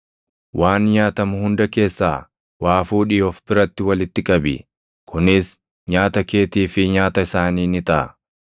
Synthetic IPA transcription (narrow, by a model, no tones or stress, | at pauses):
wʔaːnɲaːt̪ɐmʊhʊnd̪ɐke̞ːsːaː | waːfuːᶑɪjɔfbɪɾɐt̪ːɪwɐlɪt̪ːɪkʼɐbɪ̰ | kʰʊnɪs | ɲaːt̪ɐke̞ːt̪iːfɪɲaːt̪ɐɪsaːniːnɪt̪ɐɐ̰